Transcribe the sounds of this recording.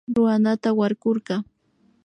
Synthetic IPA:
ɾʊanat̪awaɾɢoɾɢɑ

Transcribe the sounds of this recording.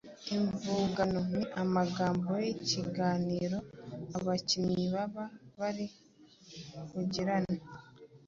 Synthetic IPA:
iɱvuːɡano̞niʔamaɡaːmbojeciɡaːniːɾo̞aβacimɲiβaβaβaɾi | kuɟiɾana

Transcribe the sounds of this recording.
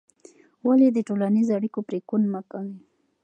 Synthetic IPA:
waled̪əʈolanizoaɽikopɾekunmakawi

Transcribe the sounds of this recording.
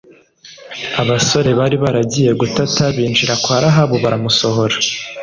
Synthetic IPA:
aβaso̞ɾe̞βaɾiβaɾaɟije̞ɡutataβiːnd͡ʒiɾakwaːɾaɦaβoβaɾamuso̞ɦo̞ɾa

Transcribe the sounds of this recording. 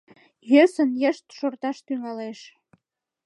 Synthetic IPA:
jøsənjəʃt̪ʃort̪ɑʃt̪yŋɑleʃ

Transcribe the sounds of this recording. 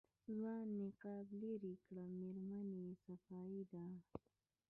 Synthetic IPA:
zanɪqɑbleɾikɽameɾmanesafɑːid̪a

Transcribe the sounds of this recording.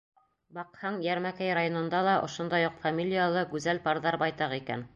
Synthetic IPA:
bɑqhɑɴjæɾmækæjɾajonɤ̆nd̪ɑlˠɑʔŏʃŏnd̪ɑjuqfamʲilʲijalˠɤɡʉzælpɑɾðɑɾbɑjt̪ɑʁikæ̰n

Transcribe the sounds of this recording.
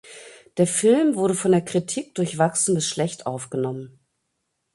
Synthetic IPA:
d̥eːɐfɪlmvʊɐɾəfɔndeːɐkʁ̥itʰiːk̚d̥ʊɐçv̥aksn̩bɪsʃlɛçtʔaʊfɡ̥ənɔmən

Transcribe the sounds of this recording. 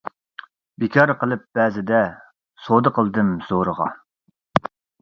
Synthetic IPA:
bikʲʰɑɾqəlˠɨp̚b̥ɛzɪd̪ɛ | sod̪əqʰəlˠd̪ɨmz̥oɾəʁɑ̰

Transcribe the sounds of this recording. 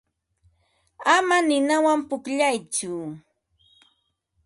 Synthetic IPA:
amanɪnawampʊkʎajt͡ʃʊ

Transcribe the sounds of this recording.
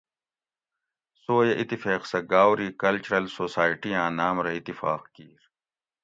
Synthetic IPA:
soːjɐʔit̪ːifeːqsɐɡaːwɾiːkɐlt͡ɕuɾɐlsoːsaːiʈijãːnaːmɾɐit̪ːifaːqkiːɾ

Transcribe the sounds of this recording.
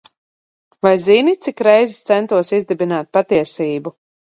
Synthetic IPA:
vajzinit̪sikɾɛjzist̪sɛnt̪uɔsizd̪ɛbinaːt̪̚pat̪iɛsiːbu

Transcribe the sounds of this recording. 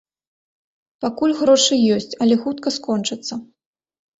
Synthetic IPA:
pakulʲɣɾɔʂɨjɔsʲt͡sʲɐlʲɛxut̪̚kɐskɔnt͡ʂɨt̪sːɐ

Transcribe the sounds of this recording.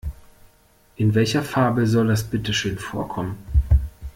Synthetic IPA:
ʔɪnvɛlçɐfaɐbəzɔldasb̥ɪtəʃøːnfoːɐkʰɔmən

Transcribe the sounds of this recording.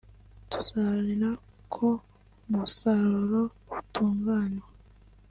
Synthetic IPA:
tu̥zaliɾa | kʰo | musalolo | βutʰuːŋɡaːnwa

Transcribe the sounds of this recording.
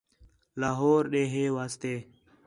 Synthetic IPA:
laːɦoːɾɗeːɦeːʋaːst̪eː

